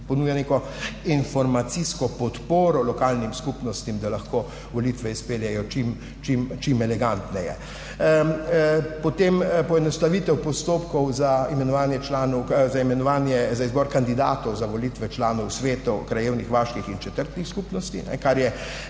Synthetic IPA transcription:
pɔnuːjanekɔ | infɔɾmat̪siskɔpɔt̪poːɾɔlɔkaːlnimskupnɔst̪imd̪alɐxko | ʋɔlit̪ʋɛispeːljɛjɔt͡ʃim | t͡ʃimt͡ʃimɛlɛɡant̪nɛjɛ̰ | pɔt̪empɔɛnɔst̪aʋit̪ɛwpɔst̪opkɔwzaimɛnɔʋaːnjɛt͡ʃlaːnɔzaimɛnɔʋaːnjɛzaizbɔːɾkand̪id̪a̰ːt̪ɔwzaʋɔlit̪ʋɛt͡ʃlaːnɔwsʋeːt̪ukɾajeːwnixʋaːʃkixint͡ʃɛt̪əɾt̪nixskupnɔst̪ḭnɛ̰kaɾjɛ

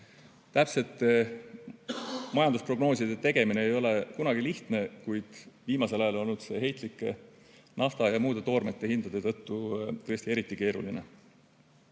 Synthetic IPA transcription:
t̪æpse̞t̪ːˑe | mɑjɑnd̪uspro̞ɡno̞ːsid̪̥e̞t̪e̞ɡ̥e̞mine̞ːjo̞le̞kunɑɡ̥iliht̪ne̞kujd̪̥viːmɑse̞lɑjɑlo̞lnːud̪̥se̞ɦe̞jt̪ˑlikːˑe | nɑft̪ɑjɑmuːd̪̥e̞t̪o̞ːrmet̪ːe̞hind̪̥ɑd̪̥et̪ɤ̞t̪ːut̪ɤ̞jsʲt̪ie̞ɾit̪ˑːike̞ːɾṵline̞

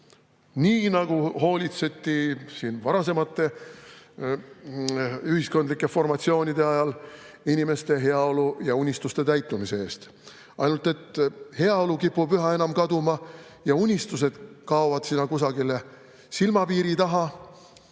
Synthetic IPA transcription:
niːnɑɡ̥uɦo̞ːlʲit̪set̪ːˑisiːnvɑɾɑs̬e̞mɑt̪ːe̞ | yhisko̞nd̪likːˑe̞fo̞rmɑt̪sio̞ːnʲid̪e̞ɑjɑl | inʲime̞st̪e̞ɦe̞ɑo̞lujɑunʲist̪ust̪e̞t̪æjt̪ːˑumise̞e̞ːst̪ | ɑ̰jnult̪e̞t̪he̞ɑo̞lukipːˑubyɦɑe̞nɑmkɑd̪umɑ | jɑunʲist̪us̬e̞d̪̥kɑovɑd̪̥sinːɑkusɑɡile | silmɑpiːɾit̪ɑɦɑ

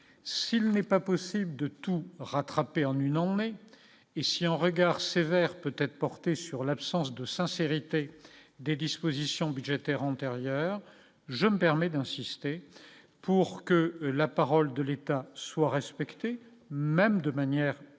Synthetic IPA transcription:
silnɛpapɔsibləd̪ət̪uʁat̪χapeɑ̃nynɑ̃ne | esiɛ̃ʁəɡaʁsevɛʁpøt̪ɛt̪χpɔʁt̪esyʁlapsɑ̃sd̪əsɛ̃seʁit̪ed̪ed̪ispozisjɔ̃byd̪ʒet̪ɛʁɑ̃t̪eʁjœːʁ | ʒəməpɛʁmɛd̪ɛ̃sist̪e | puʁkəlapaʁɔld̪əlet̪aswaʁɛspɛkt̪e | mɛmd̪əmanjɛʁ

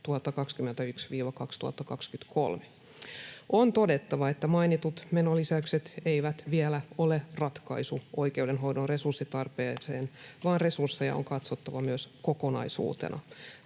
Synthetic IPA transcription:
t̪uhɑt̪ːɑkɑkskymːent̪æyksʋiːʋɑkɑkst̪uhɑ̰t̪ːɑkɑkskyt̪kʰo̰lme | ʔont̪ode̞t̪ːɑʋɑet̪ːæmɑinit̪ut̪menolisæykset̪eiʋæt̪ʋielæolerɑt̪kɑ̰isuʔoikeudenɦowdonre̞sursːit̪ɑrpeːseːnʋɑːnresursːejɑ̰o̰ŋkɑt̪sot̪ːɑʋɑmyøskokonɑ̰isṵːt̪ḛnʔɑ̰

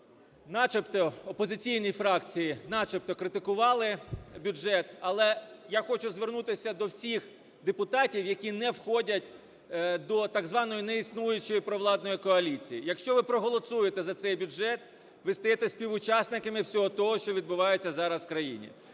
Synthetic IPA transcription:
nɑt͡ʃept̪ɔɔpɔzɪt͡sʲijnʲijfɾɑkt͡sʲijinɑt͡ʃɪp̚t̪ɔkɾɪt̪ɪkʊʋɑlˠɪbʲʊʒɛt̪ɐlˠɛjaxɔt͡ʃʊzʋernut̪ɪsʲɐd̪ɔwsʲix | d̪epʊt̪ɑtʲiwjɐkʲinɛwxɔdʲɐtʲ | d̪ɔt̪ɑɡzʋɑnɔjinɛisnujʊt͡ʃɔjipɾɔʋlˠɑd̪nɔjikɔɐlʲit͡sʲijijɐkʃt͡ʃɔʋɪpɾɔɦɔlˠɔsujet̪ɛzɐt̪sɛjbʲʊʒɛt̪̚ | ʋɪst̪ɐjɛt̪ɛsʲpʲiʋʊt͡ʃɑsnɪkɐmɪwsʲɔɦɔt̪ɔɦɔʃt͡ʃɔʋʲid̪̚bʊʋɑjet͡sʲːɐzɑɾɐswkɾɐjḭnʲḭ

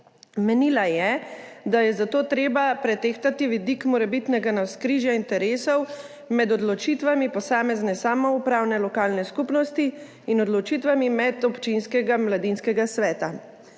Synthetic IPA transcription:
mɛniːlajɛd̪ajɛzat̪oːt̪ɾeːbapɾɛt̪eːxt̪at̪iʋid̪ikmɔɾɛbit̪nɛɡanawskɾiːʒjaint̪ɛɾeːsɔw | mɛd̪ɔd̪lɔt͡ʃit̪ʋamipɔsaːmɛznɛsaːmɔupɾawnɛlɔkaːlnɛskupnɔst̪iː | nɔd̪lɔt͡ʃit̪ʋamimɛd̪ɔpt͡ʃinskɛɡamlad̪inskɛɡasʋɛːt̪a

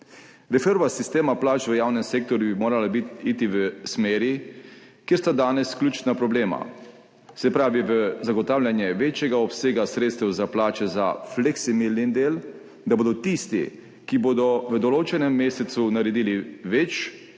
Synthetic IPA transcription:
ɾɛfeɾʋasist̪eːmaplaːt͡ʃʋəjaːwnɛmseːk̚t̪ɔɾjubimoːɾalabit̪it̪iʋəsmeːɾjikjeɾst̪ad̪aːnɛsklʲuːt͡ʃnapɾɔbleːma̰ | sɛpɾaːʋiʋəzaɡɔt̪aːwlʲjanjɛʋeːt͡ʃjɛɡaɔpseːɡasɾeːt̪st̪ɛwzaplaːt͡ʃɛza̰flɛksimilnind̪eːl | d̪aboːd̪ɔt̪ist̪ḭ | kiboːd̪ɔʋəd̪ɔloːt͡ʃɛnɛmːeːsɛt̪sunaɾɛd̪iːliʋet͡ʃ

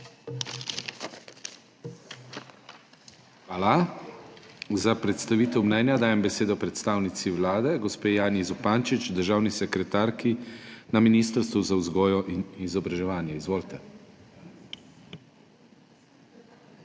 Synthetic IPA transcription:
xʋaːla | zapɾɛt̪st̪aʋiːt̪ɛwmnɛːnjad̪aːjɛmbɛseːd̪ɔpɾɛt̪st̪aːwnit̪siʋlaːd̪ɛɡɔspeːjaːnjizɔpaːnt͡ʃit͡ʃd̪əɾʒaːwnisɛkɾɛt̪aːɾkinaminiːst̪əɾst̪ʋuzauzɡɔːjɔʔinizɔbɾaʒɛʋaːnjɛizʋoːlt̪ɛ

